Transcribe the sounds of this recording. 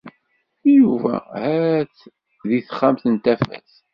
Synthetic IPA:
juvæ̰hæt͡sː | ðiθə̥χːamθənt̪æfæ̰θ

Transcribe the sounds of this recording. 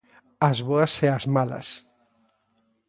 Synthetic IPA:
azβoaseazmalɐ̰s

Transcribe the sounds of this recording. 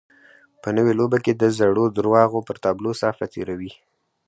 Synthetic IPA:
pənəwelobaked̪əzaɽod̪ɾwɑɣopəɾt̪ɑblosɑfat̪eɾawi

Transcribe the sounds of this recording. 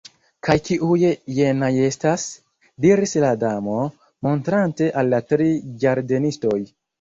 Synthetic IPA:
kajkiʔujejenaje̞stas | diɾisladamo̞ | mo̞ntɾante̞ʔalːatɾid͡ʒaɾdenisto̞j

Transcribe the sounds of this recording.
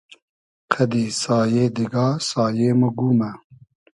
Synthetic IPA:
qʰɐd̪iːsaːjeːd̪iɡɑːsaːjeːmuɡuːmɛ

